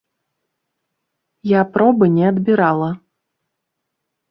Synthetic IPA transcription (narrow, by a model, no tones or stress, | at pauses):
japɾɔbɨnʲɛɐd̪bʲiɾalˠɐ